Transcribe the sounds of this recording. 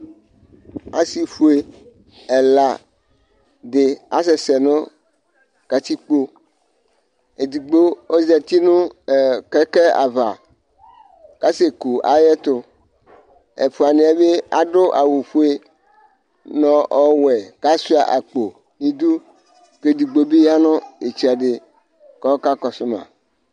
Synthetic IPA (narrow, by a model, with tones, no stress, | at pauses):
a˦si˨ɸu˦e˨ | ɛ˨la˨ | d̪e˨a̰˦s̬ɛ˨sɛ˨nɔ̃˦ | ka˨t̪i˦k͡po˦ | e˨d̪i˨ɡ͡bo˦o˦zɛ˨t̪i˦nũ˦˨kɛ˦kɛ˦a̰˨va̰˨ | ka˦se˨ku˨a̰˨jɛ˦t̪ʊ˦ | ḛ˨ɸʊ˨a˨nẽ˦a˦be˦a˨ɖʊ˦ʔa˨wu˨ɸu˦e˦ | nɔ̃˦ɔ˦wɛ˨ka˦si˦a˨ʔa˨k͡po˨ | nĩ˦d̪u˦ | ke˦d̪i˨ɡ͡bo˦bi˦ja˦nʊ̃˦e˨t͡ʃi˦a˨ɖɪ˨ | kɔ˦ka˦kɔ˨sʊ˦mã̰˨